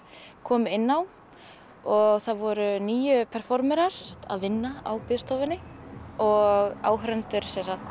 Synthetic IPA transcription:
kʰɔːmʏɪnːaw | ɔɣθaðvɔɾʏniːjʏpʰɛɾ̥fɔɾmɛɾaɾɛsak̚t̪ʰa̰ðvɪnːaa̰wpɪðst̪ɔwvɪnɪɔɣaːwɦɾɛnt̪ʏɾ̥sɛnsaht̪

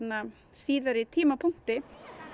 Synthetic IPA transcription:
na | siːðaɾɪt̪ʰiːmapʰʊŋ̥t̪ɪ

